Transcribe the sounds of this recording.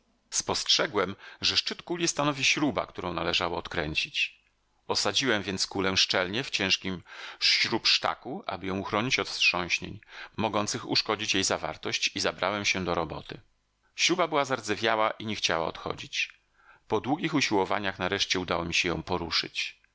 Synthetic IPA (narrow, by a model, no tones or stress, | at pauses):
spɔstʂɛɡwɛmʐɛʂt͡ʂɘt̪kulʲjist̪anɔvʲiɕɾuba̰kt̪uɾɔ̃w̃nalɛʐawɔːt̪kɾɛɲt͡ɕit͡ɕ | ɔsad͡ʑiwɛmvʲjɛnskulɛʂt͡ʂɛlɲɛft͡ɕɛ̃w̃ʂkʲimɕɾupʂt̪a̰kuʔa̰bɘjɔ̃w̃uxɾɔɲit͡ɕɔt̪stʂɔ̃w̃ɕɲḛɲmɔɡɔnt̪sɘxṵʂkɔd͡ʑit͡ɕjejzava̰ɾt̪ɔɕt͡ɕizabɾawɛmɕɛd̪ɔɾɔbɔ̰t̪ɘ | ɕɾubabɘwazaɾd̪zɛvʲjawaʔiɲɛxt͡ɕawa̰ɔ̰t̪xɔ̰d͡ʑit͡ɕ | pɔd̪wuɡʲixuɕiwɔva̰ɲaxnaɾɛʂt͡ɕɛud̪awɔmʲiɕɛjɔ̃w̃pɔɾuʂɘ̰t͡ɕ